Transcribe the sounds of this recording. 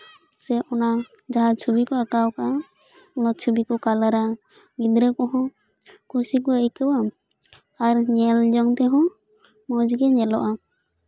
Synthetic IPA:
sɛʔɔna | d͡ʒaɦat͡ʃʰubikɔakawkaʔa | ɔnat͡ʃʰubikɔkalaɾa | ɡid̪ɾɛkɔɦɔ̃ | kusikɔəjkəwa | aɾɲɛld͡ʒɔŋt̪ɛɦɔ̃ | mɔd͡ʒiɡɛɲɛlɔʔa

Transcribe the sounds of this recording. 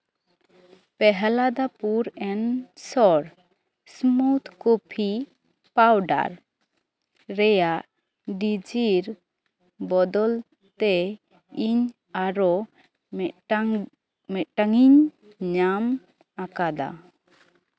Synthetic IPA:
pɛɦɛlad̪apuɾɛnsɔɾ | smut̪ʰkopʰi | pawɖa̰ɾ | ɾɛjaʔ | ɖid͡ʒiɾ | bɔd̪ɔl | t̪ɛ | iɲ | aɾɔ | mɛʈaŋiɲ | ɲam | akad̪a̰

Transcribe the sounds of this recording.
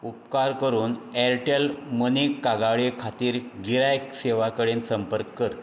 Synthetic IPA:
upkaɾkəɾuːnɛɾʈelmənikːaɡaɭikʰat̪iːɾɡiɾajkseʋakəɽensəmpəɾkːəɾ

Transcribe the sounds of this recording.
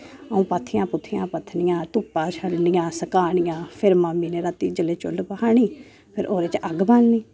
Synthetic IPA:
əũːpət̪ʰɪjãːpʊt̪ʰːɪjãːpət̪ʰnɪjãːt̪ʊpːãːt͡ʃʰəɽnɪjãːsəkaːɳɪjãːpʰɪɾmaːmːiːneːɾət̪ːiːd͡ʒəleːt͡ʃʊ̰lpəhaːɳiː | pʰɪɾʔoːɾeːt͡ʃəɡbanniː

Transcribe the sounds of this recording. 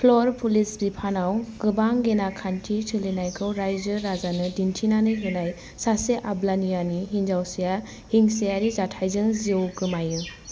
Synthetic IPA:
pʰlɔɾpʰulisbipʰanawɡ̥ɯbaŋɡenakʰantʰitʰɯlinajkʰɯwɾajzɯɾazanɯdintʰinanɯɦenaj | saseʔablanijaniɦind͡ʒawsija | hiŋsijaɾizatʰajzɯŋziowɡɯmajɯ

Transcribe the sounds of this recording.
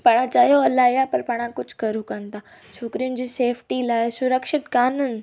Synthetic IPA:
paːɽ̃ãt͡ɕaːɦijoɐlaːɦijapɐɾpaːɽ̃ãkʊd͡ʑʱkɐɾukɐñɪ̆t̪ʰaː | t͡ɕʰoːkɪɾijʊnɪ̆d͡ʑiːseːfʰʈilaːɪsʊɾəkʃɪt̪kaːnʊnɪ̆

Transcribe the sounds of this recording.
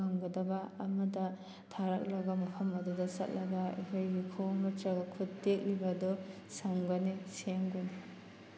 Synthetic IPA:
ɐŋɡɐdɐbɐɐmɐdɐ | tʰaɾɐk̚lɐɡɐmɐpʰɐmɐdudɐsɐ̰t̚lɐɡɐḛkʰojɡikʰoŋnɔt͡ʃɐɡɐkʰuttek̚libɐdɔ | sɐŋbɐniseŋbɐni

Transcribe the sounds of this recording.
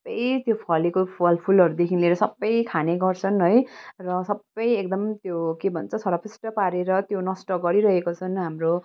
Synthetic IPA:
bʌjt̪jopʰʌlikopʰʌlpʰulʌɾud̪ekʰinleɾʌsʌbːʌjkʰaneɡʌrt͡sʰʌnɦʌjrʌsʌbːʌjek̚d̪ʌmt̪jokebʱʌnt͡sʰʌt͡sʰʌɾʌpʰisʈʌpaɾeɾʌt̪jonʌsʈʌɡʌɾiɾʌɦekot͡sʰʌnɦamro

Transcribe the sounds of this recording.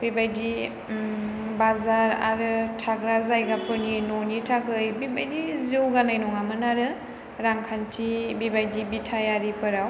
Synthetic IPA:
bibajdi | bazaɾa̰ɾɯtʰaɡɾazajɡapʰɯɾninonitʰakʰɯjbibajdizewɡanajnɔŋamɯnaɾɯ | ɾaŋkʰantʰibibajdibitʰajaɾipʰɯɾaw

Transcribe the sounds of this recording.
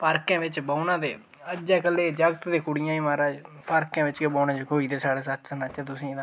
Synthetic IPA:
paːɾkãːʋɪt͡ʃbaːunãːd̪eː | əd͡ʒaːkəlːeːd͡ʒəɡət̪d̪eːkʊɽɪjãːĩːmaːɾaːd͡ʒ | paːɾkãːʋɪt͡ʃkebaːnãːd͡ʒkoːiːd̪eːsaːɽaːsət͡ʃsənaːt͡ʃɛːt̪ʊsĩːd̪ã

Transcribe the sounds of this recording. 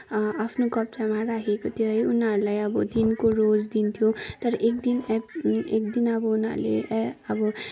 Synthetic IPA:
apʰnokʌp̚t͡samarakʰekot̪ʰjoɦʌjunɦʌɾulajʌbʌd̪inkorod͡zd̪int̪ʰjot̪ʌɾʌʔek̚d̪in | ekd̪inʌbʌunɦʌ̰rlḛʌbʌ

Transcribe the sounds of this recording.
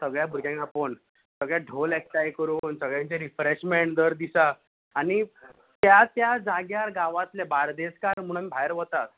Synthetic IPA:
səɡɭjabʱuɾɡjãŋkapəɳ | səɡɭjaɖʱoleksʈajkəɾuːnsəɡɭjãɲt͡ɕeɾifɾeɕmeɳd̪əɾd̪isaː | ɽ̃i | t̪jat̪jad͡zaɡjaɾɡaʋat̪ljabaɾd̪eskaɾm̤uɽ̃amibʱajəɾʋət̪at̪

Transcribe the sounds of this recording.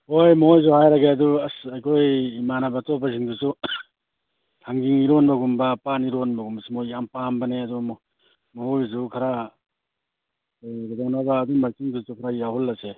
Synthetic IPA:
hojmɔɦojz̬uhajɾaɡeɐduasajkʰojmanabatɔbaziŋdusu | tʰaŋɡiŋiɾonbaɡumbapaniɾonbɐɡumbsumojjampambaneɐdu | mɔɦojzukʰaɾa | ɡadawnabaːdumaɾkiŋdusukʰaɾajaɦɔlːase

